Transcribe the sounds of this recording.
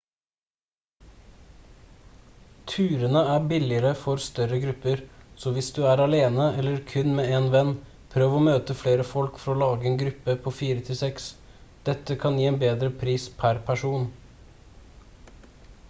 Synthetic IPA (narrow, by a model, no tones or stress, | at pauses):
t̪ʰʉːɾənəæːbɪlɪəɾəfɔɾst̪œɾəɡɾʉpəɾsoːʋɪsd̪ʉːæːɾɑleːnəɛləɾkʰʉnmeːeːnʋɛn | pʰɾøːʋoːmøːt̪əfɽeːɾəfɔlkfɔɾoːlɑːɡəeːnɡɾʉpːəpʰoːfiːɾət̪ʰɪlsɛks | d̪̥ɛt̪əkʰɑnjiːeːnbeːd̪ɾəpʰɾiːspʰæɾpʰæʂuːn